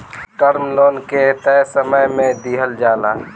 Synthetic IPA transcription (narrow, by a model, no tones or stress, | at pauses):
ʈəɾmloːnket̪əjsəməjmẽd̪iɦəld͡ʒaːlaː